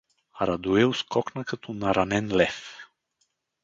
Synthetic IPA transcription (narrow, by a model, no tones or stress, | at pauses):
aɾad̪ueuskoknakɨt̪unaɾanenlef